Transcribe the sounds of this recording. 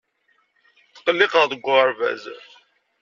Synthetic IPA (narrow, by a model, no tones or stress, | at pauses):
θə̥qəlːɪqəʁðəɡʷːʊɾˤvæ̰z